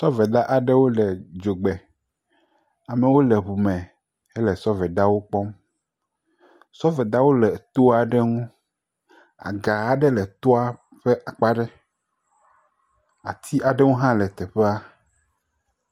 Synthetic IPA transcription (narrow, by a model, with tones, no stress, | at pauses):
sɔ˦vɛ˨d̪a˦ʔa˨ɖɛ˦wo˦lɛ˨d͡ʒo˨ɡ͡bɛ˨ | a˨mɛ˨wo˦lɛ˨βu˨mɛ̃˨ | ɛ˦lɛ˨sɔ˦vɛ˨d̪a˦wo˦k͡pɔ˦m | sɔ˦vɛ˨d̪a˦wo˦lɛ˨t̪o˦a˨ɖɛ˦ŋũ˦ | a̰˨ɡa˨a˨ɖɛ˦lɛ˨t̪ɔ˦a˦ | ɸɛ˦ʔa˨k͡pa˦ɖɛ˦ | a˨t̪ʰi˦a˨ɖɛ˦ŋũ˦ɦã˦lɛ˨t̪ɛ˨ɸe˦a˦